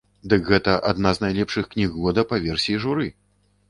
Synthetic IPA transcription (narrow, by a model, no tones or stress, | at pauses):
d̪ɨkɣɛt̪ɐʔad̪naznajlʲɛpʂɨxknʲiɣlˠɔd̪ɐpavʲɛrsʲijiʐuɾɨ